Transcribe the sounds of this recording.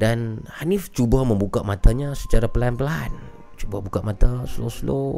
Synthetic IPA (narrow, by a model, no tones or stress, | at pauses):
danhanɪft͡ʃubaməmbukamat̪aɲasə̥t͡ʃaɾapəlaanpəlaɦa̰n | t͡ʃubabukamat̪asloslo